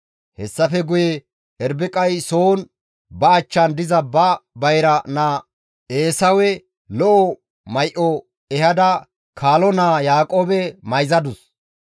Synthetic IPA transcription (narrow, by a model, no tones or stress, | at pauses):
hɛsːɐfɛɡʊjɛ | ɛɾbɪkʼɐjsoːn | bɐːt͡ʃːɐnd̪ɪzɐbɐbɐjɾɐnaː | ʔeːsɐwɛ | lɔʔɔ | mɐjʔɔ | ɛhɐd̪ɐ | kʰaːlɔnaːjaːkʼoːbɛmɐjzɐd̪ʊs